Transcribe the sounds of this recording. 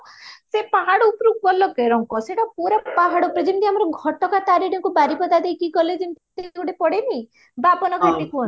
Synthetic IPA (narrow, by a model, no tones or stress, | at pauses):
sepaɦaɽɔupɾuk̚bɔlːɔkeɾɔŋkɔseʈɔpuɾapaɦaɽɔpɾed͡ʒimt̪iamɔɾɔɡʱɔʈɔkat̪aɾiɖiŋkubaɾipɔd̪ad̪ejkiɡɔled͡ʒint̪t̪eɡuɽepɔɽeni | babɔnɔkʰat̪ikuɔn